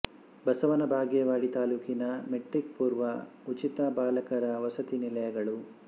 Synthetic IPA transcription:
bɐsɐʋɐnɐbʱaːɡjɐʋaːɽit̪aːluːkinɐmeʈɾikpuːɾʋɐ | ut͡ʃit̪ɐbaːlɐkɐɾɐʋɐsɐt̪inilɐjɐɡɐɭu

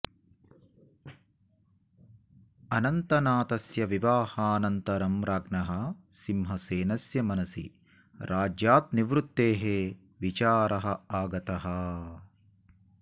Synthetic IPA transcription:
ɐnɐnt̪ɐnaːt̪ɐsjɐʋiʋaːhɐːnɐnt̪ɐɾɐmɾaːɡnɐɦɐsimɦɐseːnɐsjɐmɐnɐsḭ | ɾaːd͡ʒjaːt̪̚niʋɾut̪ːeːɦe | ʋit͡ʃaːɾʔɐɦɐaːɡɐt̪ɐɦɐ

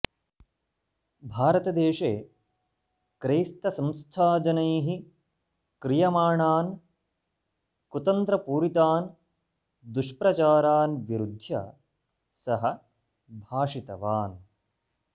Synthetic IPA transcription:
bʱaːɾɐt̪ɐd̪eːʂeː | kɾeːst̪ɐsɐ̃mst̪ʰaːd͡ʒɐnɐjɦi | kɾijɐmaːɳaːn | kut̪ɐnt̪ɾɐpuːɾit̪aːn | d̪uʂpɾɐt͡ʃaːɾaːnʋiɾud̪ʱjɐ̰ | sɐɦɐ | bʱaːʂit̪ɐʋaːn

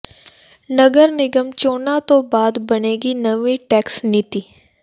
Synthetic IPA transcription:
nəɡəɾnɪɡəmt͡ʃoːnat̪õbaːd̪bɐneːɡinɐʋiʈɛːksnɪt̪iː

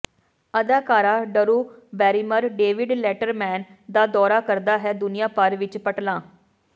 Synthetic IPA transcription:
əd̪aːkaːɾaːɖəɾuːbɛːɾiːməɾɖeːʋɪɖlɛːʈəɾmɛːnd̪aːd̪ɔːɾaːkəɾd̪aːɦɛːd̪ʊnɪjãːpəɾʋɪt͡ʃpəʈlãː

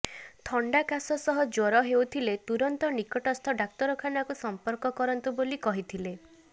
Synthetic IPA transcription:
t̪ʰɔɳɖakasɔsɔɦɔd͡ʒɔɾɔɦewt̪ʰilet̪uɾɔnt̪ɔnikɔʈɔst̪ʰɔɖak̚t̪ɔɾɔkʰanakusɔmpɔɾkɔkɔɾɔnt̪ubolikɔɦit̪ʰile

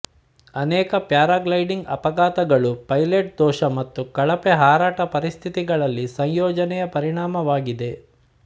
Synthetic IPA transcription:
ɐnɛːkɐpjaːɾaːɡlɐjɖiŋɡɐpɐɡaːt̪ɐɡɐɭupɐjleʈ̚d̪ɔːʃɐmɐt̪ːukɐɭɐpeɦaːɾaːʈɐpɐɾist̪ʰit̪iɡɐɭɐlːisɐɲjɔːd͡ʒɐnɛjɐpɐɾiɳaːmɐʋaːɡid̪e̞

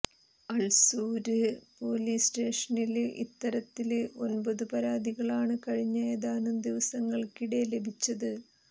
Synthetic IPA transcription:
ɐlsuːɾɨpo̞ːliːsʈe̞ːʂɐnilḭt̪ːɐɾɐt̪ːilo̞̰nbɐðɨpɐɾaːd̪iɣɐɭaːɳɨkɐɻiɲːɐjeðaːnɨmd̪iʋɐsɐŋːɐɭkiɽe̞le̞bʱit͡ɕːɐðɨ

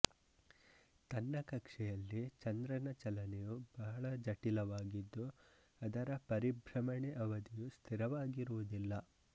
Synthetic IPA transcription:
t̪ɐnːɐkɐkʂɛjɐlːit͡ʃɐnd̪ɾɐnɐt͡ʃɐlɐnɛjub̥ɐɦɐɭɐd͡ʒɐʈilɐʋaːɡid̪ːu | ɐd̪ɐɾɐpɐɾibʱɾɐmɐɳɛʔɐʋɐd̪ijust̪ʰiɾɐʋaːɡiɾuʋud̪ilːɐ

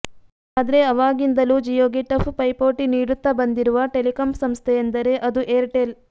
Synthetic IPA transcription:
aːd̪ɐɾeɐʋaːɡind̪ɐlud͡ʒijoːɡiʈːɐfʰpɐjpoːʈiniːɽut̪ːɐbɐnd̪iɾuʋɐʈelikɐmsɐmst̪ʰeend̪ɐɾe̞ʔɐd̪uʔeːɾʈel

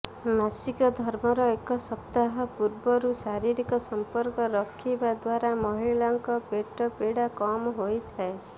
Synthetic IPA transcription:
masikɔd̪ʱɔɾmɔɾɔekɔsɔpt̪aɦɔpuɾbɔɾusaɾiɾikɔsɔmpɔɾkɔɾɔkʰːibad̪waɾamɔɦilɔŋkɔpeʈɔpeɽakɔmɦojt̪ʰae

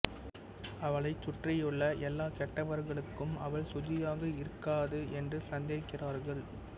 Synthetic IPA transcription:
ɐʋɐɭɐɪt͡ʃːʊʈrɐjʊɭːɐʔɛlːaːkɛʈːɐʋɐɾɣɐɭɯkːɯmɐʋɐɭsʊd͡ʒɪjaːɣɐɪɾɯkːaːðɯɛndrɯsɐnd̪eːkːɪraːɾɣɐɭ

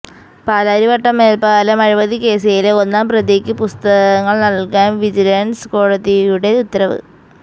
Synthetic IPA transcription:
paːlaːɾiʋɐʈːɐmːe̞ːlpaːlɐmɐɻiʋɐðike̞ːs̬ɐjileo̞nːaːmprɐðjeːkʲːɨpust̪ɐɣɐŋːɐɭnɐɭkaːnʋid͡ʑilɐnsko̞ːɻɐðijuɽe̞ut̪ːɐɾɐʋɨ̰

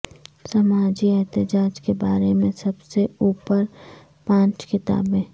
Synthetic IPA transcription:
sɐmaːd͡ʒiɛɦt̪ɪd͡ʒaːd͡ʒkebaːɾemẽsɐbseuːpəɾ | pãːt͡ʃkɪt̪a̰ːbẽː

